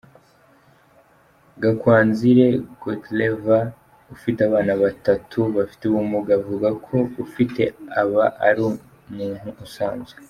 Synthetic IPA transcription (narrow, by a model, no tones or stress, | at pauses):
ɡakwaːnziɾe̞ɡotleva | ufiteaβaːnaβatatʰuβafi̥teβumuɡavuɡakʰo̞ufite̞aβaʔa̰ɾu | muːn̥huːsaːnzɡe